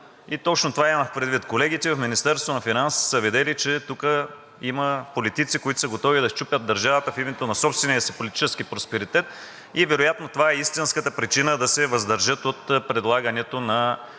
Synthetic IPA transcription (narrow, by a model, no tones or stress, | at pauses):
it̪ɔt͡ʃnot̪ovaimɐxpɾɛd̪vit̪kolɛɡ̟it̪ɛvɐfminist̪ɛɾst̪vonɐfinansi̥səvid̪ɛlit͡ʃɛt̪ukə | iməpolit̪it̪sikoit̪ʊ̥səɡot̪ɔvid̪ɐt͡ʃupʲəd̪d̪ɐɾʒavət̪əfimɛt̪onɐsɔpst̪vɛniəsəpolit̪i̥t͡ʃɛskipɾospɛɾit̪ɛt̪̚ | ivɛɾojat̪not̪ovaɛist̪inskət̪əpɾit͡ʃinəd̪ɐsɛvɐzd̪ɐɾʒət̪ot̪pɾɛd̪lˠaɡənɛt̪onɐ